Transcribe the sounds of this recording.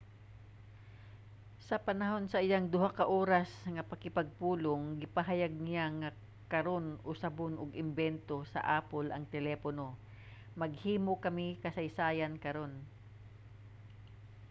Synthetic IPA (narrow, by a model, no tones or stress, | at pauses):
sɐpɐnɐɦo̞nsɐʔɪjaŋd̪ʊɦakɐʔoːɾasŋɐpɐkɪpɐɡ̚puːloŋɡɪpɐɦajaɡ̚nɪjaŋɐ | kɐɾo̞nʔosɐbonʔoɡɪmbɛnt̪o̞sɐ̰ʔaːpolʔɐ̰ŋt̪ɛlɛːpono̞ | mɐɡ̚hiːmokɐmɪkɐsɐjsaːjankɐɾo̞n